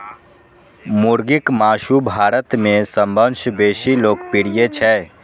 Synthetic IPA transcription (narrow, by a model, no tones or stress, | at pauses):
mʊɾɡɪkmaːʃubʱaːɾət̪mẽsə̃mbənʃbeːʃiloːkpɪɽijet͡ʃʰɛː